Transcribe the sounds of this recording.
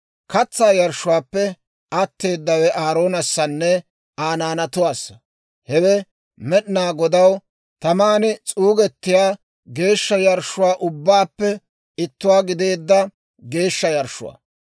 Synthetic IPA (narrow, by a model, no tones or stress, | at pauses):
kɐt͡sːaːjɐɾʃːʊwaːpːɛ | ʔɐt̪ːe̞ːd̪ːɐwɛʔaːɾo̞ːnɐsːɐnːɛ | aːnaːnɐt̪ʊwaːsɐ̥ | hɛwɛ | mɛɗnaːɡɔd̪ɐw | t̪ɐmaːnɪt͡sʼuːɡɛt̪ːɪjaː | ɡe̞ːʃːɐjɐɾʃʊwaːʔʊbːaːpːɛ | ɪt̪ːʊwaːɡɪd̪e̞ːd̪ːɐ | ɡe̞ːʃːɐjɐɾʃʊ̰wa̰ː